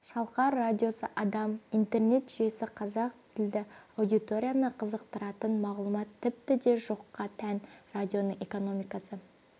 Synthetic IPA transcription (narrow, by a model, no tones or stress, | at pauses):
ʃɑlˠqɑɾːad̪ʲijo̞səʔɑd̪ɑmijnt̪e̞rne̞t̪ʒ̥ʏje̞sɪqʰɑzɑq̚t̪ʰɪld̪ɪawd̪it̪o̞ɾʲijanɑqʰəzəqt̪əɾɑt̪ənmɑʁlˠumɑt̪ʰːɪp̚t̪ɪd̪e̞ʒo̞qːɑt̪ʰænrad̪ʲijo̞nəɴe̞ko̞no̞mijkɑsə